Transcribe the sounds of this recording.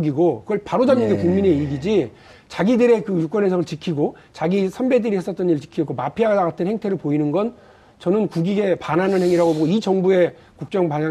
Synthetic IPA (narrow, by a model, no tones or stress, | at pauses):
ɡiɡokɯɡʌɭpaɾod͡ʑanɯnɡe̞kuŋmine̞iɡid͡ʑi | t͡ɕaɡidɯɾe̞kɯjuk͈wʌnɦesʰʌŋɯɭt͡ɕikʰiɡo | t͡ɕaɡisʰambe̞dɯɾihe̞s͈ʌt̚t͈ʌniɯɭt͡ɕi̥kʰiʌtk͈omapʰiaɡadaɡatʰɯnhe̞ŋtʰe̞ɾɯɭpoinɯnɡʌn | t͡ɕʌnɯnkuɡiɡe̞pananɯnheŋiɾaɡoboɡoid͡ʑʌŋbue̞ | kuk̚t͡ɕ͈ʌŋpaɲa